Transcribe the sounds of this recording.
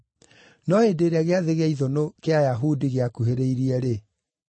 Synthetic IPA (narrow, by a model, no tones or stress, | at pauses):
nɔedeːɾeaɣeaðeɣaiðonokeajaɦudiɣeakuheɾeiɾiɛɾe